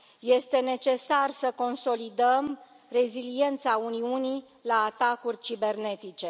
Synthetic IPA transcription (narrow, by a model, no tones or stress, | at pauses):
je̞st̪e̞ne̞t͡ʃe̞sarsəko̞nso̞lid̪əm | re̞zilie̞nt̪sauniuni | laːt̪akurʲt͡ʃibe̞rne̞t̪it͡ʃe̞